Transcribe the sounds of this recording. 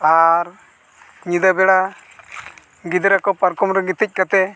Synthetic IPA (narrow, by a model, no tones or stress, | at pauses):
aɾ | ɲid̪abɛɽa | ɡid̪ɾakɔpaɾkɔmɾɛɡit̪ic̚ˀkat̪ɛ